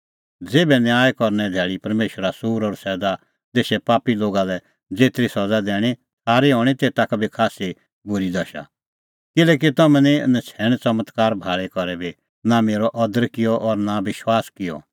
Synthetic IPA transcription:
d͡zeːbɛnjaːjkɔɾnɛd̪ʱɛːɭipɐɾmeːʃəɾasuːɾɔːɾsɛːd̪a | t̪eːʃɛpaːpiloːɡalɛ | d͡zeːt̪ɾisɐd͡zad̪ɛːɽ̃i | sʰaːɾiɦoːɽ̃it̪eːt̪akbʱikʰaːsi | bʊɾid̪ɐʃa̰ | kɪlɛːk̬it̪ɐmɛ̃ninɐt͡sʰɛːɽ̃t͡sɐmət̪kaːɾbʱaːɭɛkɔɾɛbi | nameːɾɔʔɔd̪əɾkɪjɔʔɔɾnaʋɪʃwaːskɪjɔ̰

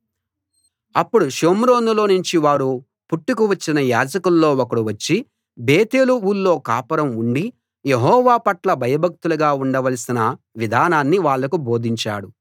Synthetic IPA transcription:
ɐpːuɽuʃoːmɾo̞ːnulo̞ːnuɲt͡ʃiʋaːɾu | puʈːukuʋɐt͡ʃːinɐjaːd͡ʒɐkulːo̞ːokɐɽuʋɐt͡ʃːi | beːt̪e̞ːluuːlːo̞ːkaːpɐɾɐmuɳɖi | jeɦɔːʋaːpɐʈlɐbʱɐjɐbʱɐk̚t̪uluɡaːuɳɖɐʋɐlɐsinɐ | ʋid̪ʱaːnaːnːiʋaːɭːɐkubo̞ːd̪ʱiɲt͡ʃa̰ːɽu

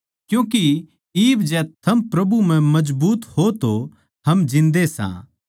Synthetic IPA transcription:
kjũːk̬i | iːbd͡ʒɛt̪ʰɐmpɾɐbum̤ɛ̃mɐd͡ʒbuːt̪hot̪o | ɦɐmd͡ʒɪ̃nd̪esã̰ː

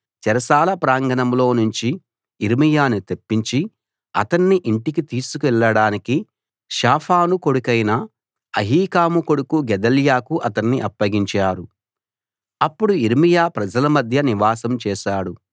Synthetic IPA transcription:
t͡ʃɛɾɐsaːlɐpɾaːŋɡɐnɐmlo̞ːnuɲt͡ʃi | iɾmijaːnut̪epːiɲt͡ʃi | ɐ̰t̪ɐnːiʔiɳʈikit̪iːsukuɛɭːɐɽaːniki | ʃaːpʰaːnuko̞ɽukɐjnɐ | ɐɦiːkaːmuko̞ɽukuɡɛd̪ɐljaːkuʔɐt̪ɐnːiʔɐpːɐɡiɲt͡ʃaːɾu | ɐpːuɽuiɾmijaːpɾɐd͡ʒɐlɐmɐd̪ʱjɐniʋaːsɐmt͡ʃɛːʃaːɽu

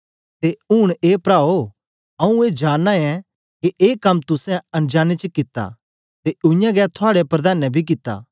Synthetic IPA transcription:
t̪eʊːɽ̃eːpɾaːo | ɐũeːd͡ʒaːnːaɛ̃ | keʔeːkɐmt̪ʊsɛ̃ɐ̃nd͡ʒaːnet͡ʃəkɪt̪ːa̰ | t̪eʊ̃jãɡɛːt̪ʰʊaːɽepɾɐd̪aːnɛbʱik̬ɪt̪ːa̰ː

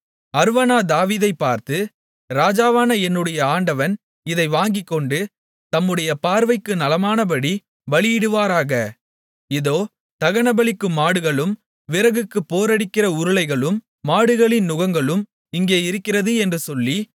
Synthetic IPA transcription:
ɐɾɯʋɐnaːd̪aːʋiːðɐɪpːaːɾt̪ɯ | ɾaːd͡ʒaːʋaːnɐɛnːɯɽɐjɐaːɳɖɐʋɐn | ɪðɐɪʋaːŋɡɪkːɔɳɖɯ | t̪ɐmːɯɽɐjɐpaːɾʋɐɪkːɯnɐlɐmaːnɐpɐɽi | ʋɐɭɪjɪɽɯʋaːɾaːɣɐ | ɪðoː | t̪ɐɣɐɳɐbɐɭɪkːɯmːaːɽɯɣɐɭɯm | ʋɪɾɐɣɯkːɯpːoːɾɐɽɪkːɪrɐʊɾɯlɐɪɣɐɭɯmː | aːɽɯɣɐɭɪnnʊɣɐŋɡɐɭɯm | ɪŋɡeːɪɾɯkːɪrɐðɯɛndrɯsɔlːi

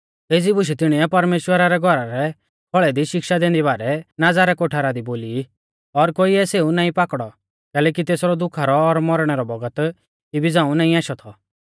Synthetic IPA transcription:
eːd͡zibʊʃ̬ɛt̪ɪɽ̃iɛpɐɾmeːʃwəɾaɾɛɡʱɔɾaɾɛ | bʰɔɭɛd̪iʃɪkʃad̪ẽːnd̪iβaːɾɛnad͡zaɾɛkoʈʰaɾad̪iboːli | ɔɾkoːiɛseunãːĩpakɽɔ | kɛːlɛːk̬it̪eːsɾɔd̪ʊkʰaɾɔːɾmɔɾɽ̃ɛɾɔbɔɡət̪ | ibid͡zãːũnãːĩaːʃɔt̪ʰɔ

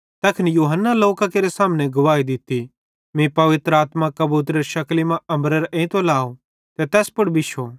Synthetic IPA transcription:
t̪ɛːkʰɪnjuːɦənːaloːkakeːɾesaːmneɡʊʋaːid̪ɪt̪i | mĩpɐʋɪt̪ɾəaːt̪makɐbuːt̪̬ɾəɾʃɐklimãɐmbɾəɾʔẽt̪olaːo | t̪ɛt̪ɛːspʊɽbʱɪʃo

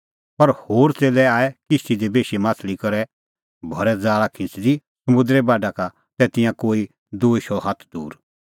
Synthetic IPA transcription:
pɐɾhoːɾt͡seːlɛaːɛkɪst̪id̪ebeːʃimãːt͡sʰlikɐɾɛ | bʱɐɾɛd͡zaːɽakʰɪ̃t͡sd̪i | sɐmũnd̪ɾɛbaːɖaka | t̪ɛːt̪ɪ̃jãkoːi | d̪oːʃɔɦɐt̪ʰd̪ṵːɾ

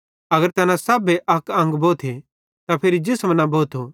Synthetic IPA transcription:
ɐɡəɾt̪ɐnãsɐbeʔɐkɐ̃ŋɡboːt̪ʰe | t̪apʰɪɾid͡ʒɪsmənãboːt̪ʰo

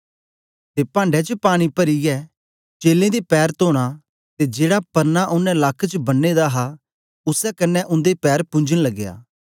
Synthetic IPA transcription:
t̪eːpãːɳɖɛt͡ʃəpaːɽ̃ipɐɾijɛ | t͡ʃeːlẽd̪epɛːɾt̪oːɽ̃a | t̪ed͡ʒeːɽapɐɾnaʔʊnɛ̃lakʰːt͡ʃəbɐnːed̪aɦa | ʊsɛkɐnːɛʔʊ̃nd̪epɛːɾpʊ̃ɲd͡ʒəɽ̃lɐɡːja̰ː

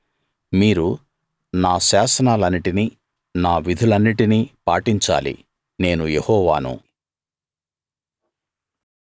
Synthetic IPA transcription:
miːɾu | naːʃaːsɐnaːlɐnːiʈini | naːʋid̪ʱulɐnːiʈinipaːʈiɲt͡ʃa̰ːlḭ | ne̞ːnujehɔːʋaːnṵ

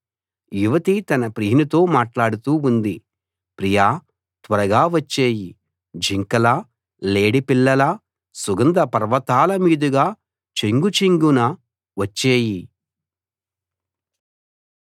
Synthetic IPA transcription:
juʋɐt̪it̪ɐnɐpɾiɦinut̪o̞ːmaːʈlaːɽut̪uːund̪i | pɾijaː | t̪ʋɐɾɐɡaːʋɐt͡ʃːeːji | d͡ʒʱiŋkɐlɐ | leːɽipilːɐlɐ | suɡɐnd̪ɐpɐɾʋɐt̪aːlɐmiːd̪uɡaː | t͡ʃeŋɡut͡ʃiŋɡunɐ | ʋɐt͡ʃːeːji

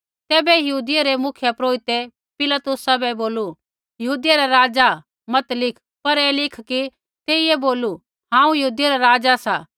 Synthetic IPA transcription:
t̪ɛːbɛjɐɦuːd̪ɪjaɾemʊkʰjəpɾoːɪt̪e | pɪlat̪ʊsabɛboːlu | jɐɦuːd̪ɪjaɾaɾaːd͡ʒa | mɐt̪lɪkʰ | pɐɾɛːlɪkʰki | t̪eːieboːlu | ɦãːũjɐɦuːd̪ɪjaɾaɾaːd͡ʒasaː

